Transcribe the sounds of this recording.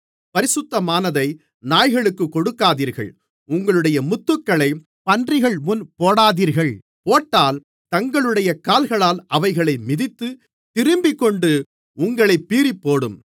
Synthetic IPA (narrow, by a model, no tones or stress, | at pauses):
pɐɾɪsɯt̪ːɐmaːnɐðɐɪ | naːjɣɐɭɯkːɯkːɔɽɯkːaːðiːɾɣɐ̰ɭ | ʊŋɡɐɭɯɽɐjɐmʊt̪ːɯkːɐɭɐɪ | pɐndrɪɣɐɭmʊnpoːɽaːðiːɾɣɐɭ | poːʈːaːl | t̪ɐŋɡɐɭɯɽɐjɐkaːlɣɐɭaːlʔɐʋɐɪɣɐɭɐɪmɪðɪt̪ːɯ | t̪ɪɾɯmbɪkːɔɳɖɯ | ʊŋɡɐɭɐɪpːiːɾipːoːɽɯm